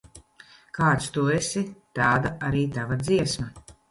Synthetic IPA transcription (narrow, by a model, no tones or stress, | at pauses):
kaːt̪st̪uɔesit̪aːd̪aʔaɾiːt̪avad̪ziɛsma